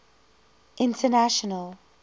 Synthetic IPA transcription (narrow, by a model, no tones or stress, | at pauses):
ʔɪ̃ntʰənaʃɔnəl